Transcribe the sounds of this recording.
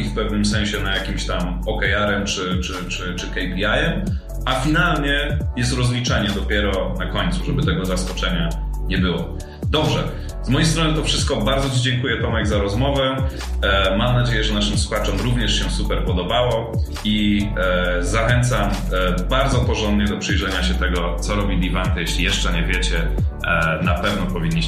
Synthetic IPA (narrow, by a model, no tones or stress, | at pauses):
ifpɛvnɘmsɛ̃ɲ̃ɕɛnajakʲimɕt̪am | ɔkɛjaɾɛmt͡ʂɘt͡ʂɘt͡ʂɘt͡ʂɘkɛjpʲiajɛm | ʔafʲinalɲɛjɛst̪ɾɔzlʲit͡ʂaɲɛd̪ɔpʲjɛɾɔnakɔɲʲt̪suʐɛbɘt̪ɛɡɔzaskɔt͡ʂɛɲa | ɲɛbɘwɔ̰ | d̪ɔbʐɛ | z̥mɔjejst̪ɾɔnɘt̪ɔfʂɘst̪̚kɔbaɾd̪zɔt͡ɕid͡ʑɛŋkujɛt̪ɔmaɡzaɾɔzmɔvɛ | mamnad͡ʑejɛʐɛnaʂɘmswuxat͡ʂɔmɾuvɲɛʂɕɛsupɛɾpɔd̪ɔbawɔ | i | zaxɛnt̪sambaɾd̪zɔpɔʐɔnd̪ɲɛd̪ɔpʂɘjʐɛɲaɕɛt̪ɛɡɔt̪sɔɾɔbʲid̪ʲivant̪ɛjeɕlʲijɛʂt͡ʂɛɲɛvʲjɛt͡ɕɛ | napɛvnɔpɔvʲiɲːi